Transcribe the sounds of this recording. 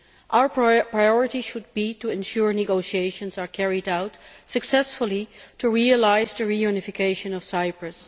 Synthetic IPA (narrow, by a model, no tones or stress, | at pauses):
ʔaʊə˞pɹpɹajɔɹɨtiʃʊd̚bituɛ̃nʃuɹnɨɡoʊʃieɪʃə̃nsakʰɛɹidaʊtsɨksɛsfʊlˠitʰuɹiəlaɪzdəɹijunɨfɨkʰeɪʃɨ̃nɔfsaɪpɹɨs